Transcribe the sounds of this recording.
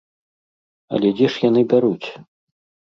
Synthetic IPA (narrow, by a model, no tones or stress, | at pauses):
ɐ̰lʲɛd͡zʲɛʂjanɨbʲaɾut͡sʲ